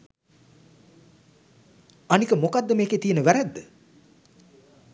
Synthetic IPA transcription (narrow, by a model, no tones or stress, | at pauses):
anikəmokad̪ːəmeːkeːt̪ijənəʋæɾæd̪ːə